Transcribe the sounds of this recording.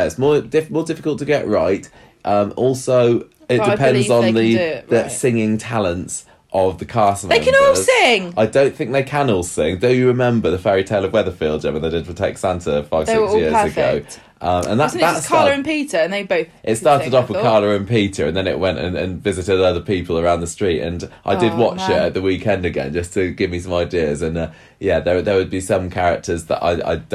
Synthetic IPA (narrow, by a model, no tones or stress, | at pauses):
ɪtsmɔːdɪfmɔːdɪfɪkəlˠtʰəɡɛ̰ʔɹaɪt | ʔʌ̃mɔˑlˠsoʊ | ɪʔd̥ɪpʰɛ̃nndzn̩ðiðəsɪ̃ŋɪ̃ŋtʰalə̃nts | ʔəvðəkʰɑˑsənðeɪkʰə̃nɔlˠsɪ̃ŋaɪdõʊ̃nθɪ̃ŋk̚ðeɪkʰə̃nɔlˠsɪ̃ŋdəʊjəɹɪmɛ̃mbəðəfɛɹitʰeɪləvwɛðəfiːlˠdd͡ʒə̰̃mə̃nðeɪdɪdⁿn̩pʰɹ̥ətʰɛ̰k̚tsãntʰəfaɪvsɪksjɪəzəɡo̰ʊ | ʔʌ̃mʔə̰̃nðətatskʰɑəɹə̃npiˑtə˞ə̃nðeɪboʊθʔɪtstɑˑtɪdɒfwə̥kʰɑːləɹə̃npiˑtʰə̰ɹə̃nðə̃nɪ̰ʔwɛ̃ntə̰̃nə̰̃nvɪzɨtɪdʌðəpiˑpʰəlˠəɹãʊ̃nðəstɹ̥iˑtə̰̃nʔa̰ɪdɪd̚wɒt͡ʃɪtəʔ̪̚ðəwiˑkʰɛ̃ndɨɡɛ̰̃nd͡ʒʌstʰɨɡɪvmisʌ̃maɪdɪəzə̃nʌ | jæðəðəwəd̚bisʌ̃mkʰaɹɪk̚tʰəzðə̰ʔa̰ɪa̰ɪ